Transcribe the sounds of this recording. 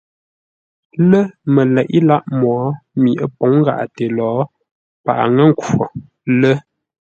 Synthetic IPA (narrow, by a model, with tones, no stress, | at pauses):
lə˦mə˨lɛ˨ʔi˦la˦ʔmɔː˨˦mi˨ʔə˦po˨˦ŋ˦ɡa̰˨ʔa̰˨te˨lɔː˨˦ | pa̰˨ʔa̰˨ŋə˦ŋ˦kɔ˨ | lə˦